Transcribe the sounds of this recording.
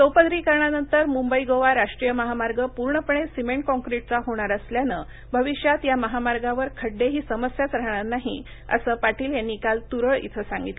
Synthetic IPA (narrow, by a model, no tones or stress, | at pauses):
səwpəd̪ɾiːkəɾɳ̃anənt̪əɾmumbəiɡoʋaɾaʂʈɾijəməɦamaɾɡəpuɾɳəpəɳ̃esimeɳʈ̚kɔ̃ŋkɾiʈ̚t͡saɦoɽ̃aɾəsljanə | bʱəʋiɕjat̪jaməɦamaɾɡaʋəɾkʰəɖːeɦiːsəməsjat͡sɾaɦɳaɾnaɦḭ | ə̰səːpaʈiːlɦenːikalt̪uɾəɭʔḭt̪ʰəsãŋɡit̪l